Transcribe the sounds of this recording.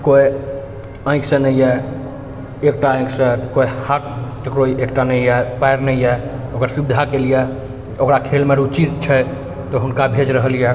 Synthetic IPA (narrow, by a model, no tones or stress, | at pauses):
koi | ə̃ɪ̃ksə̃nəijɛ | ek̚ʈaə̃j̃ksət̪kojhaʈʈəkɾoiʔek̚ʈanəjapajɾnəiɛokəɾsubid̪ʱakelijɛ | okɾakʰelmeɾut͡ʃit̪t͡ʃʰɛ | t̪ɔɦunkabʱed͡ʒɾəɦəlijɛ